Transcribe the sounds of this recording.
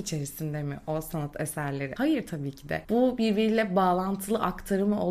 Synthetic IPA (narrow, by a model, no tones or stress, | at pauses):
it͡ʃʰe̞ɾisind̪emḭʔo̞sanat̪ʰesæɾlʲe̞ɾihajɯɾt̪ʰabiːcʰid̪ɛ̰bubiɾbiɾilʲɛbaːlˠant̪ʰɯlˠɯʔakt̪ʰaɾɯmɯʔo